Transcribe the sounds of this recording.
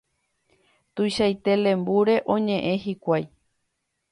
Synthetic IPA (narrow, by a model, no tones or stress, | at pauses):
t̪ujʃajt̪e̞lẽ̞mbuɾe̞ʔõ̞ɲẽ̞ʔẽ̞hikʷaj